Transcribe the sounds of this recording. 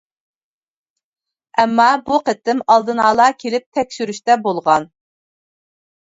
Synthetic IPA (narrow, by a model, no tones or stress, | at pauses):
ɛmːɑbuqət̪ːɪmɑlˠd̪ɨnɑːlˠɑkʲʰelɪp̚t̪ʰɛkʲʃyɾyʃt̪ɛbolˠʁɑn